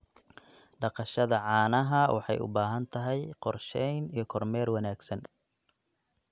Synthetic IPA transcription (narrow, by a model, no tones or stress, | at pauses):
ɖɑqɑʃɐðɐʕɑːnɐɦɐwʔɑ̰ħɑ̰jʊ̰baːɦɐnt̪ʰɐɦɛjqɔrʃɛjnijɞkʰɔrmɛːrwɑnaːɡsɐn